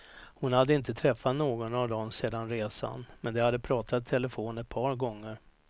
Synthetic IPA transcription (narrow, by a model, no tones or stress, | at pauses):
hʊnhad̪ːəɪnt̪ət̪ʰɾɛfːat̪noːɡɔnavd̪ɔmseːd̪anɾeːsa̰nmɛnd̪ɛhad̪ːəpʰɾɑːt̪ʰat̪ʰːɛləfoːnɛt̪̚pʰɑːɾɡɔŋːəɾ